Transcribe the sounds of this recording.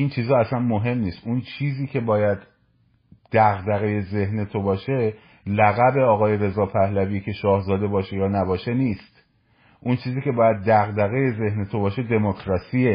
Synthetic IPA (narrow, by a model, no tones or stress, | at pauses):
int͡ʃʰiːzɒːæsænmoɦe̞mniːst̪unt͡ʃʰiːziːcʰe̞bɒːjæd̪ | d̪̥æɣd̪æɣe̞je̞ze̞hne̞t̪ʰo̞bɒːʃe̞ | læɣæbe̞ɒːɣɒːje̞ɾe̞zɒːpʰæhlæviːcʰe̞ʃɒːhzɒːd̪e̞bɒːʃejɒːnæbɒːʃe̞niːst̪ | ʔunt͡ʃʰiːziːkʲcʰe̞bɒːjæd̪̚ːæɣd̪æɣe̞je̞ze̞hne̞t̪ʰo̞bɒːʃe̞d̪e̞mokʰɾɒːsie